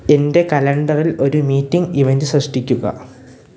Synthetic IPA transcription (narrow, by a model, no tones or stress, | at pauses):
e̞nde̞kɐlɐɳɖɐrilo̞ɾumiːtːiŋɡiʋendɨsrɐʂʈikʲːuɣɐ̰